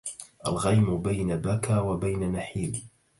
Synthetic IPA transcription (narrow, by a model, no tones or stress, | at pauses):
ʔalɣajmʊbajnabakaːwabajnanaħiːl